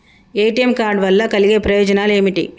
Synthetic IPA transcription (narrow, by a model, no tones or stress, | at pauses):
eːjʈijɐmkaːɾɖʋɐlːɐkɐliɡe̞ːpɾɐjɔːd͡ʒɐnaːle̞ːmiʈḭ